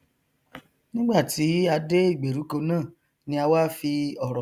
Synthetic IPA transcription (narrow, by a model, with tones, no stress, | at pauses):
nĩ˦ɡ͡ba˦˨ti˨˦a˧de˦i˦˨ɡ͡be˨ɾu˨˦ko˧nãː˦˨ | nĩ˧a˧wa˦fi˧ɔ˦˨ɾɔ˨